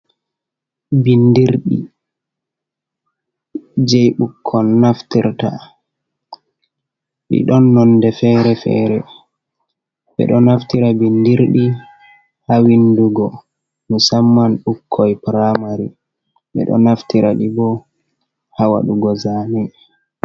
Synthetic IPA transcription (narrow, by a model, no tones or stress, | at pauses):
bindiɾɗḭ | d͡ʒɛjɓukʰːɔnːaftiɾta̰ | ɓḭɗɔnːɔndɛfɛːɾɛfɛ̰ːɾɛ | ɓɛ̰ɗɔnaftiɾabindiɾɗi | hawinduɡɔ | misamːanɗukʰːɔjpɾamaɾi | ɓɛ̰ɗɔ̰naftiɾaɗibɔ | hawa̰ɗuɡɔzaːmɛ